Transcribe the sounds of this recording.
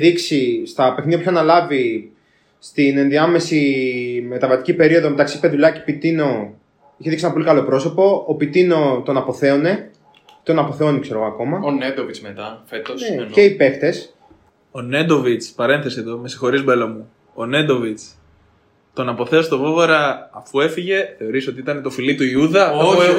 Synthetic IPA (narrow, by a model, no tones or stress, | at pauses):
ðiksist̪ɐpe̞θniɐpu̥çoɐnɐlɐvi | st̪ine̞nðiɐme̞sime̞t̪ɐvɐt̪i̥cipe̞ɾio̞ðo̞met̪ɐksi̥peðuʎɐce̥pit̪ino̞ | içeðiksisenɐpolikɐlo̞pɾo̞so̞po̞ːpit̪ino̞t̪o̞nɐpo̞θe̞one̞ | t̪o̞nɐpo̞θe̞onikse̞ɾo̞ɣoɐko̞mɐoned̪ovit͡smet̪ɐfet̪oneceipe̞kt̪e̞s | o̞ne̞d̪o̞vit͡spɐɾe̞nθe̞sieðo̞me̞si̥xo̞ɾizmelomu | one̞nd̪ovit͡s | t̪o̞nɐpo̞θe̞ost̪ovo̞voɾɐːfue̞fiʝe̞θe̞o̞ɾisot̪iit̪ɐne̞t̪o̞filit̪uiuðɐ